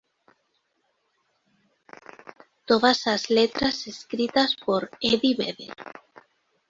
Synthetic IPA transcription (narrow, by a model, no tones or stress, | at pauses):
t̪oðasazlet̪ɾaseskɾit̪aspoɾeðiβḛðḛɾ